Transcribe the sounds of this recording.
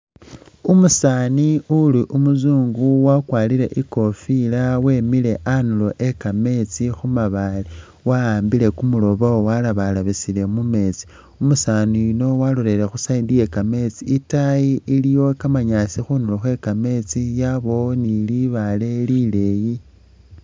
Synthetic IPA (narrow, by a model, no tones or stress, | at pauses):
umusaːniuliʔumuzuːŋɡuwakwaːlile̞ʔiko̞filawe̞mile̞ʔanulo̞ʔe̞kame̞t͡sixumaβali | waaːmbile̞kumulo̞βawowalaβalaβisile̞mume̞t͡si̥ | umusaniuno̞walole̞ɾe̞xusaindije̞kame̞t͡siːtajiilijo̞kamaɲasixunuloxwe̞kame̞t͡sijaβo̞niliβale̞lile̞ji